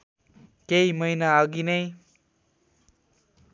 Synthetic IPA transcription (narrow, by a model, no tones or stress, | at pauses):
keimʌjnaʌɡinʌj